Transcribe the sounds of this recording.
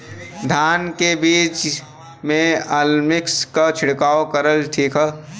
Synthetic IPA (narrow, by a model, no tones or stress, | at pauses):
d̪ʱaːnkebiːt͡ʃ | mẽalmɪkskat͡ʃʰɪɽkaːokəɾəlʈʰiːkə